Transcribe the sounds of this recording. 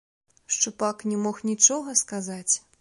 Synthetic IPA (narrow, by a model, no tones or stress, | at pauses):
ʂt͡ʂupaknʲɛmɔxnʲit͡ʂɔɣɐskazat͡sʲ